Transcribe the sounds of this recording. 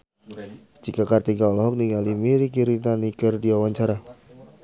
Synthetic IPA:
d͡ʒikakart̪iɡaɔlɔɦɔk̚niŋalimiɾikiɾit̪anikərdiawaɲt͡ʃaɾa

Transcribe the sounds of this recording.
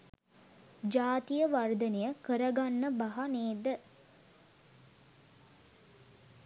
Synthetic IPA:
d͡ʒaːt̪ijəʋard̪ənejəkəɾɐɡanːəbɐɦɐneːd̪ə

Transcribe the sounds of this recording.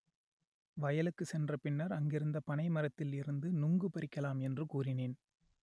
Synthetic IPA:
ʋɐjɐlɯkːɯsɛndrɐpɪnːɐɾɐŋɡɪɾɯnd̪ɐpɐɳɐɪmɐɾɐt̪ːɪlɪɾɯnd̪ɯnʊŋɡɯpɐɾɪkːɐlaːmɛndrɯkuːrɪneːn

